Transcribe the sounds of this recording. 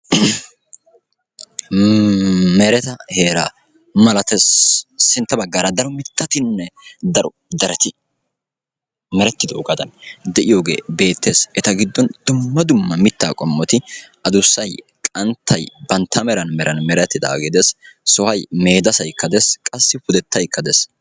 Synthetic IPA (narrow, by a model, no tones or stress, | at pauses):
mɛɾɛt̪ɐhe̞ːɾaː | mɐlɐt̪ɛssɪnt̪ːɐbɐɡːaːɾɐd̪ɐɾɔmɪt̪ːɐt̪ɪnːɛd̪ɐɾɔ | d̪ɐɾɛt̪ɪ | mɛɾɛt̪ːɪd̪ɔʔʊɡɐd̪ɐnd̪ɛʔɪjoːɡe̞̰ːbe̞ːt̪ːe̞ːsʔɛt̪ɐɡɪd̪ːɔnd̪ʊmːɐd̪ʊmːɐmɪt̪ːaːkʼɔmːɔt̪ɪʔɐd̪ʊsːɐj | kʼɐnt̪ʰːɐjbɐnt̪ʰːɐmɛɾɐnmɛɾɐnmɛɾɛt̪ːɪd̪a̰ːɡɪd̪eːssɔhɐjme̞ːd̪ɐsɐjkːɐd̪eskʼɐsːɪfʊd̪ɛt̪ːɐjkːɐd̪es